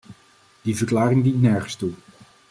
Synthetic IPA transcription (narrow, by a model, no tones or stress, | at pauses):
d̥ivəɹklaːɾɪŋdintnɛɹχənstu